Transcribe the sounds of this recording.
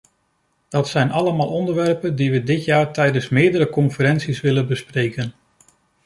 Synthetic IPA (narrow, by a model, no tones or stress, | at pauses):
d̥ɑtsɛjnɑləmaːlˠɔndəɹʋɛɹpəndiʋədɪtjaːɹtɛjdənsmɪːɹdəɾəkɔnfəɾɛnsisʋɪlənbəsprejkən